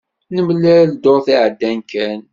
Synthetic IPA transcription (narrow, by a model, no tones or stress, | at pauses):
nəmlːæɾld̪oɾθiʕəd̪ːænkæn